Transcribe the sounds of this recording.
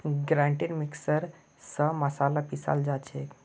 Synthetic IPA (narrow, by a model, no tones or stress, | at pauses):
ɡɾãɳʈinmiksəɾ | səməsalapisa̰ld͡zat͡ɕek